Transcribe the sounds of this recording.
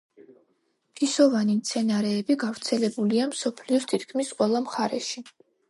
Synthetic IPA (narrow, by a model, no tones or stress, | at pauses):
pʰisɔvanimt̪sʰɛnaɾɛːbiɡavɾt̪sʰɛlɛbuliamsɔpʰliɔst̪ʰit̪ʰkʰmisqʼwɛlˠamχaɾɛʃi